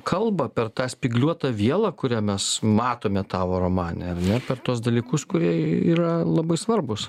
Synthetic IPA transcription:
kʰɐlˠbɐpʲɛrt̪ɑːsʲpʲɪɡlʲuɔt̪ɐʋʲiɛlˠɑːkʊɾʲæːmʲɛsmɑːt̪oːmʲɛt̪ɑːʋoːɾoːmɑːnʲɛɐɾnʲɛpʲɛrt̪uɔs̬d̪ɐlʲiːkʊskʊɾʲiɛiːɾɐlˠɐbɐɪsʋɐrbʊs

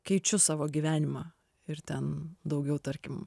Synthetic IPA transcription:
kɐɪt͡ʃʲʊsɑːʋoːɡʲiʋʲæːnʲɪmɑː | ɪɾt̪ʲɛnd̪ɐʊɡʲɛʊt̪ɐɾʲkʲɪm

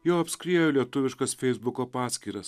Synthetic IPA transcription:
joːɐpʲsʲkɾʲiɛjʊlʲiɛt̪ʊʋʲɪʃkɐsfʲɛɪzbʊkoːpɑːsʲkʲiːɾɐs

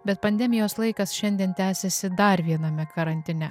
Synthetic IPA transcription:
bʲɛt̪̚pɐnʲd̪ʲɛmʲɪjoːslˠɐɪkɐsʃʲɛnʲd̪ʲiɛnt̪ʲæːsʲɛsʲɪd̪ɐɾʋʲiɛnɐmʲɛkɐɾɐnʲt̪ʲɪnʲɛ

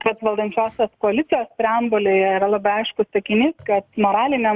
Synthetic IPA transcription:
kɐt̪ʋɐlˠd̪ɐnʲt͡ʃʲoːsʲoːskoɐlʲɪt̪sʲɪjoːst̪ʲɾʲɛɐmbolʲeɾɐlˠɑːbɐɪɐɪʃkʊssɐkʲɪnʲiːskɐt̪moːɾɑːlʲɪnʲɛ

